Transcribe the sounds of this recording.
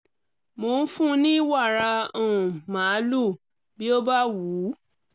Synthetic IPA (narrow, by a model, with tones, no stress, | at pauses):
mo˧˨˧n̩˦fũ˦nĩ˦wa˦˨ɾa˧ɔ̃˦˨mã˨˦lu˦˨ | bi˦o˦ba˦wu˨˦